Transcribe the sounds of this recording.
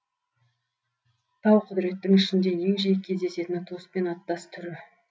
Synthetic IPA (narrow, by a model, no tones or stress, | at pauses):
t̪ʰɑwqʰʊd̪ɾe̞t̪ːɪŋɪʃɪnd̪e̞je̞ŋʒijkʲʰe̞zd̪e̞se̞t̪ɪnɪt̪ʰo̞spe̞nɑt̪ːɑst̪ʰʏɾɪ